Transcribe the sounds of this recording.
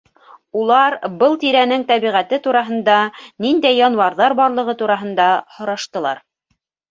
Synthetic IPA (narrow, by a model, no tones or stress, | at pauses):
ulˠɑɾbɤlˠt̪iɾænɘŋt̪æβiʁæt̪ɘt̪uɾɑɦɤ̆nd̪ɑnind̪æjːɒnwɑɾðɑɾbɒɾlˠɤ̆ʁɤt̪uɾɑɦɤ̆nd̪ɑhŏɾɑʃt̪ɤ̆lˠɑ̰ɾ